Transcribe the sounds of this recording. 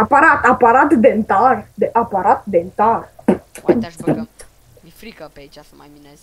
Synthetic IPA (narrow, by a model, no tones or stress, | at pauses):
apaɾat̪apaɾat̪d̪ent̪ard̪eʔapaɾat̪̚d̪ent̪ar